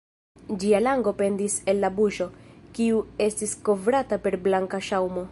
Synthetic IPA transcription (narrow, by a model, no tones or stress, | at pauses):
d͡ʒialaŋɡo̞pe̞ndise̞lːabuʃo̞kiue̞stisko̞vɾatape̞ɾblaŋkaʃawmo̞